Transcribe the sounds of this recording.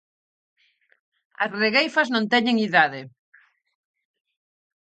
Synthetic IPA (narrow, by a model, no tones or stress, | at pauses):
ɐ̰sreɣejfɐznõnt̪ɛɲeŋiðað̞ɪ